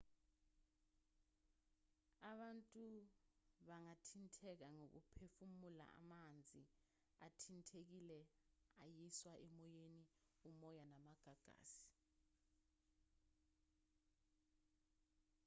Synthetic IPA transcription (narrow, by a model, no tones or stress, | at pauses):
aɓantʼu | ɓaŋatʰintʰɛk̬aŋok̬ṵpʰefumula̰ʔa̰mand͡zʱi | atʰintʰek̬ilɛajiswaʔɛmɔjeni | umɔjanamaɡ̥ʱaɡ̥ʱa̰ːsi̥